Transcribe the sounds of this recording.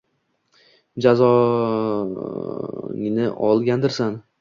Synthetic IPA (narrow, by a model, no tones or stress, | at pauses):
d͡ʒazɒ | ŋnɪʔɒlˠɡʲand̪ɪɾsan